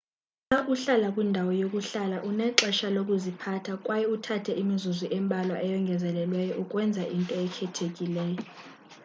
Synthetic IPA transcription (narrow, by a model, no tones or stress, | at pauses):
ŋaʔuɬalakʼwindʱawɔjokʼuɬalaʔunɛǁɛʃalokʼuzipʰatʰakʼwajɛutʰatʰɛʔimizuziʔɛmbʱalwaʔɛjɔŋɡʱɛzɛlɛlwɛjɔʔukʼwɛnd͡zʱaʔintʼɔɛkʰɛtʰekʼilɛːjɔ